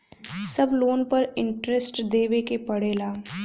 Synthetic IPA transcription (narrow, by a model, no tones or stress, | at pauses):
sɐbloːnpɐɾɪ̃ɳʈɾesʈd̪eːʋekepɐɽeːlaː